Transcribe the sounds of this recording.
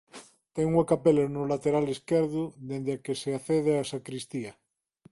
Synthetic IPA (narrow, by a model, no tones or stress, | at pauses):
t̪eŋuakapelenuolat̪eɾaleskeɾðuðend̪eakeseaθeð̞easakɾist̪ia